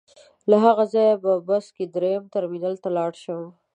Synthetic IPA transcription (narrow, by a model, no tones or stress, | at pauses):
laɦaɣazɑjababasked̪ɾejamt̪aɾminalt̪alɑɽʃəw